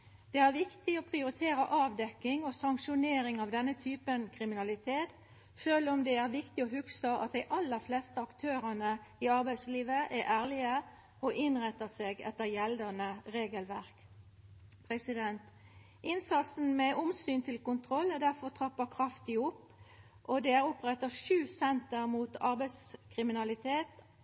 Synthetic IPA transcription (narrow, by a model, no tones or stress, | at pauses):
d̪̥ɛæːʁʋɪkt̪ɪɔpʰʁɪʊɾɪt̪ʰeːɾəʔɑːʋd̪ɛkːɪŋosɑŋkʃʊneːɾɪŋɑʋd̪ɛnːət̪ʰyːpənkʰɾɪmɪnɑlɪt̪ʰeːt̪ | ʃøːlʊmd̪ɛæɾʋɪkt̪ɪɔhʉksəʔɑ̰t̪̚d̪ɛɪʔɑlːəɾflɛst̪əɑkt̪ʰøːɾənəiɑɾbæɪsliːʋəʔæʔæːʁlɪə | ʔoʔɪnʁɛt̪ːəseːɡɛ̰t̪ːəʁjɛld̪ɑnəʁeːɡəlʋæʁk | pʰʁɛsɪd̪ɛnt̪ | ɪnsɑt̪sn̩mɛʔʊmsyːnt̪ʰɪlkʊnt̪ʰʁɔlːɛd̪æʁfɔʁt̪ʰʁɑpːəkʰʁɑft̪ɪʊpː | ʔɔd̪ɛæːʁʊpʁɛt̪ːəʂʉːsɛnt̪əʁmuːt̪ɑʁbæɪskʰʁɪmɪnɑlɪt̪ʰeːt̪